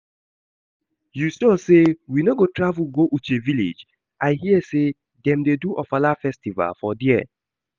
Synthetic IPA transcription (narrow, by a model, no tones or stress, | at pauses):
justɔsewinoɡotɹavuɡoʔut͡ʃevilḛd͡ʒ | ʔaɪhiɛse | dɛ̃mdeduʔɔfalafɛstiva̰lfɔdiɛ̰